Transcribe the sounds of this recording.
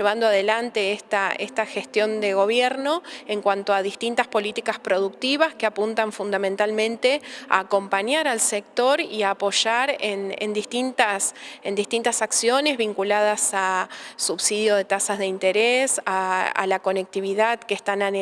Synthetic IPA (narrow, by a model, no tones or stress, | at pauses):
ʒeβ̞and̪oaðe̞lant̪e̞est̪aest̪axe̞st̪jo̞nd̪e̞ɣo̞β̞jeɾnoeŋkwant̪oaðist̪int̪aspo̞lit̪ikaspɾo̞ð̞uk̚t̪iβaskeapunt̪aɱfund̪ament̪almẽnt̪e̞a̰ːko̞mpaɲaɾalsek̚t̪o̞ɾiapo̞ʒaɾenḛnd̪ist̪int̪asend̪ist̪int̪asaksjo̞ne̞zβiŋkulað̞asasuβsið̞jo̞ð̞e̞t̪asazðe̞int̪eɾesaa̰lako̞nek̚t̪iβiðaðkest̪anan